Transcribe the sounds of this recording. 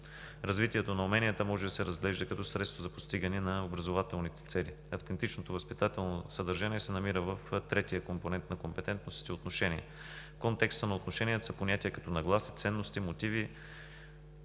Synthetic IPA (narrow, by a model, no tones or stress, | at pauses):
ɾɐzvit̪iɛt̪onɐʊumɛniət̪əmɔʒɛd̪ɐsɛɾɐzɡlɛʒd̪ɐkɐt̪ɔsɾɛt̪st̪vozɐpost̪iɡənɛnɐobɾɐzovat̪ɛlˠnit̪ɛ̥t̪sɛli | ɐft̪ɛnt̪it͡ʃnot̪ovɐspit̪at̪ɛlˠnosəd̪ɐɾʒaniɛsɛnɐmiɾəvəft̪ɾɛt̪iəkomponɛnt̪nɐkompɛt̪ɛnt̪nosit̪iot̪noʃɛniɛ̰ | fkont̪ɛkst̪ənɐot̪noʃɛnʲiət̪sɐponʲat̪iɛkɐt̪ɔnɐɡlˠasi̥t̪sɛnːost̪imot̪ivi